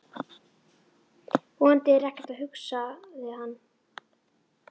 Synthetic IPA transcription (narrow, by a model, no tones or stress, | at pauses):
ɔant̪ɪɛrɛhknɛ̥t̪aðɦʏksavɪðhanː